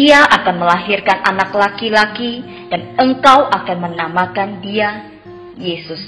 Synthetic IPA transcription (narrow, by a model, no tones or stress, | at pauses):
iaʔakanməlaɦirkanʔa̰naklakilaki | d̥anəŋkawʔakanmənamakandia | jesʊs